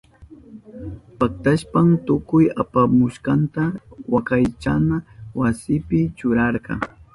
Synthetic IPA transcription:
pak̚t̪aʃpamt̪ʊkʊjapamʊʃqɑnt̪awakajt͡ʃanawasɪpɪt͡ʃʊɾɑɾɢɑ̰

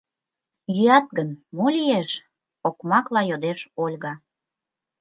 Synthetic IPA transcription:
jyɑt̪̚ɡənmolʲijeʃ | okmɑklɑjod̪eʃolʲɣɑ

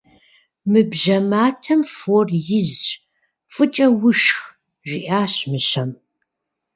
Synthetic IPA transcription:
mɨbʒɐmaːtʰɐmfoːrjɪz | fʼɨt͡ʃʼɐwʊʃx | ʒiʔaːɕmɨɕɐm

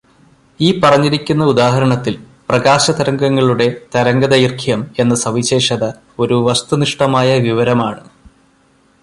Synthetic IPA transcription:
iːpɐrɐɲːiɾikʲːunːɐud̪aːɦɐɾɐɳɐt̪ːil | prɐɡaːɕɐt̪ɐɾɐŋɡɐŋːɐɭuɽe̞t̪ɐɾɐŋɡɐðɐjirkʰijɐme̞nːɨsɐʋiɕe̞ːʂɐðɐ | o̞ɾuʋɐst̪uniʂʈɐmaːjɐʋiʋɐɾɐmaːɳɨ

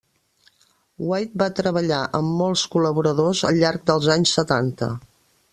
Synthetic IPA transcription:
wajt̪̚bat̪ɾəβəʎaʔəmːɔlˠskuləβuɾəðozə̰ʎːaɾk̚d̪əlˠzaɲsːət̪ant̪ə̰

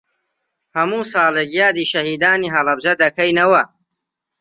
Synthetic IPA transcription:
hɐmuːsɑːleːkjaːd̪iːʃɐhiːd̪aːniːɦɐlɐbd͡ʒɐd̪ɐkɐjnɐwɐ

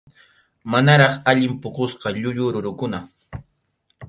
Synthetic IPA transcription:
manaɾɑχaʎɪmpʊkosqɑʎʊʎʊɾʊɾʊkʊna

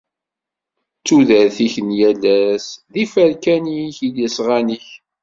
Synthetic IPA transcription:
t͡sːuðæɾθiçənjælæsðifəɾkæniçiljəsʁaniç

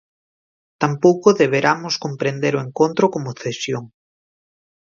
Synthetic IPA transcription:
t̪ampowkoðeβ̞eɾamoskompɾend̪eɾoeŋkont̪ɾokomʊθesjoŋ

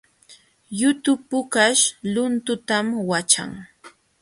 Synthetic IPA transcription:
jʊt̪ʊpʊkaʃlʊnt̪ʊt̪amwat͡ʃa̰ŋ

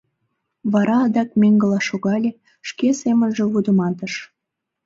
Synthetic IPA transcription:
βɑɾɑːd̪ɑk̚meŋɡəlɑʃoɣɑlʲe | ʃkesemənʒĕβud̪ə̆mɑt̪əʃ

